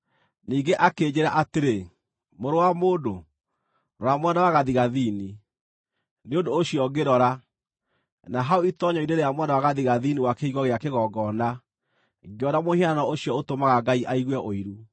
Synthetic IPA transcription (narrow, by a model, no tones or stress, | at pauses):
niːɡeʔakeːd͡ʑeɾaʔateɾe | moɾowamoːdo | ɾɔɾamwɛnawaɣaðiɣaðiːni | neondoːɕiɔɡeɾɔɾa | naɦaoitɔɲɔineɾeamwɛnawaɣaðiɣaðiniwakeiɣɔɣeakeɣɔɡɔna | ɡeɔnamohiananɔoɕiɔotomaɣaɡaiʔaiɣwɛʔoiɾu